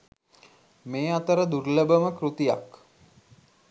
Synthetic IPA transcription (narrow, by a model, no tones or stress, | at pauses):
meːat̪əɾəd̪urləbəməkɾut̪ija̰k